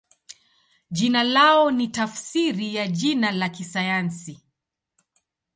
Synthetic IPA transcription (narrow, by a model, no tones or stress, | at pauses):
ʄinalaɔnitafsiɾijaʄinalakisajansi